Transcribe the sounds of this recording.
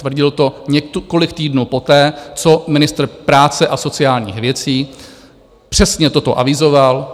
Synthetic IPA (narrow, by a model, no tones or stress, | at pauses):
t̪vr̩ɟɪlt̪o̞ɲɛko̞lɪkt̪iːdnuːpo̞t̪ɛːt͡so̞mɪnɪst̪r̩pɾaːt͡sɛʔaso̞t͡sɪaːlɲḭːxvjɛt͡siː | pr̝̥ɛsɲɛt̪o̞t̪o̞̰ʔavɪzo̞val